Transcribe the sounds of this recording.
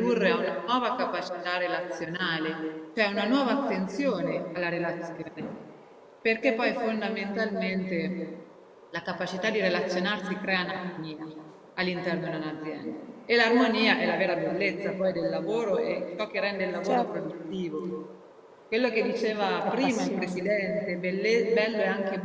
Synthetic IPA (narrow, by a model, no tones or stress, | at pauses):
d̪urːeaunanwɔːvakapat͡ʃi̥t̪arelat̪sːjonaːlet͡ʃoɛunanwɔːvaːt̪ːent̪sjoːnealːaɾelat̪sjoa | perkepːɔjfond̪ament̪alment̪e | lakapat͡ʃit̪ad̪iɾelat̪sːjonarsikɾɛːanarmoniːa | alːint̪ɛrnod̪unad̪zːjɛ̰nd̪aelarmoniːaʔɛlavɛːɾabelːet̪sːapɔjd̪elːavoːɾoʔet͡ʃɔk̟ːerɛnd̪eilːavoːɾopɾod̪ut̪ːiːvo | kwelːok̟ed̪ːit͡ʃeːvapɾiːmailpɾesid̪ɛnt̪ebelːebɛlːoɛaŋke